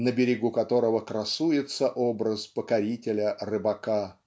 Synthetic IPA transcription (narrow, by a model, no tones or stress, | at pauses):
nəbʲɪɾʲɪɡukɐt̪o̞ɾəvəkɾɐsujɪt̪səʔobɾəspəkɐɾʲitʲɪlʲərɨbɐka